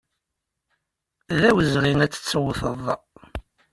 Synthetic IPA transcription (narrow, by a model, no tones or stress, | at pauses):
ðæwəzʁinæt͡sːə̥t͡sːwθəðˤɑ